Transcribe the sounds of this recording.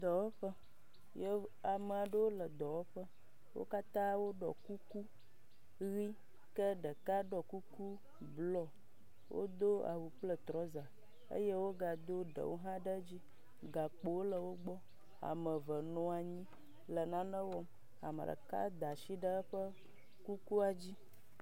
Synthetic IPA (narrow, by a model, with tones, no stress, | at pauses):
d̪ɔ˨wɔ˦ɸə˦ | je˦a˨mə˨a˨ɖə˦wo˦lə˨d̪ɔ˨wo˦ɸə˦ | wo̰˦ka˦t̪ã˦wo˦ɖɔ̰˨ku˦ku˦ | ɣi˦ | kə˦ɖə˨ka˦ɖɔ˨ku˦ku˦ | blɔ˦ | wʔo̰˦d̪o˦a̰˨wu˨k͡plə˦t̪ɾɔ˦za˨ | ə̰˦je˦wo˦ɡa˨d̪o˦ɖə̰˨wo˦ɦã˦ɖə˦d͡ʑi˦ | ɡa˨k͡po˨˦wo˦lə˨wo˦ɡ͡bɔ˦ | a̰˨mə˨və˨nɔ̃˨a˨ɲĩ˦ | lə˨nã˦nə̃˦wɔ˦m | a̰˨mə̰˨ɖə̰˨ka̰˦d̪a˨ʃi˦ɖə˦ɸə˦ | ku˦ku˦a˨d͡ʑi˦